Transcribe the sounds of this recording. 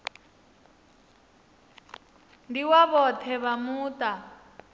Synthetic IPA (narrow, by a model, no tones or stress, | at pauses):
ndiwaβɔt̪ʰɛβamuːt̪a